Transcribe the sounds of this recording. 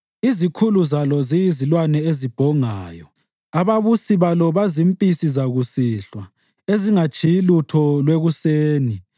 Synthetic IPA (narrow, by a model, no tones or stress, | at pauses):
izikʰuluzalɔzijizilwanɛezib̥ʱɔŋa̰ːjɔ | aβaβusiβalɔβazimpʼisizaɣusiɬwa | eziŋat͡ʃʰʼijilutʰɔlweɣuseːni